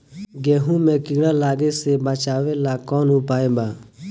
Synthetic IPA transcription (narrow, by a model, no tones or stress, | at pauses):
ɡeːɦũːmẽːkɪɡɽãːlaːɡeːseːbat͡ʃaːʋeːlaːkɔːnũːpaːeːbaː